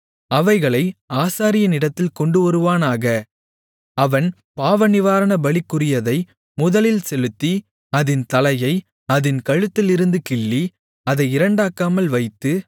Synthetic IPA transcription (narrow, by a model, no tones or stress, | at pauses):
ɐʋɐɪɣɐɭɐɪaːsaːɾɪjɐnɪɽɐt̪ːɪlkɔɳɖɯʋɐɾɯʋaːnaːɣɐ | ɐʋɐn | paːʋɐnɪʋaːɾɐnɐbɐɭɪkːɯɾɪjɐðɐɪ | mʊðɐlɪlsɛlɯt̪ːi | ɐðɪnt̪ɐlɐjɐɪ | ɐðɪnkɐɻɯt̪ːɪlɪɾɯnd̪ɯkɪɭːi | ɐðɐɪɪɾɐɳɖaːkːaːmɐlʋɐɪt̪ːɯ